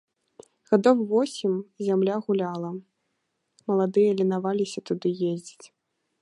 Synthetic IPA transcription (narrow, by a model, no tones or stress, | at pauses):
ɣad̪ɔwvɔsʲimzʲamlʲaɣulʲalˠɐ | mɐlˠad̪ɨjɐlʲinavalʲisʲɐt̪ud̪ɨjezʲd͡zʲit͡sʲ